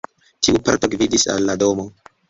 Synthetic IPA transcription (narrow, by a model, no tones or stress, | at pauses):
tiupa̰ɾto̞ɡvidisa̰lːado̞mo̞